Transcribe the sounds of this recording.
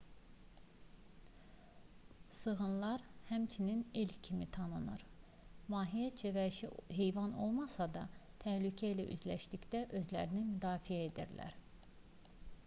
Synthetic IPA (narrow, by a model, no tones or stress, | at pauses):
sɯɣɯnlˠɑɾhæmt͡ʃʰininelcʰimit̪ʰɑnɯnɯɾ | mɑːɦijæt͡ʃʰevæiʃiɦe̞jvɑno̞̰lˠmɑsɑd̪ɑt̪ʰæhlycʰæilæ̰ʔy̰zlæ̰ʃt̪icd̪æʔø̞zlæ̰ɾinimyd̪ɑːfijæed̪ḭɾlæ̰ɾ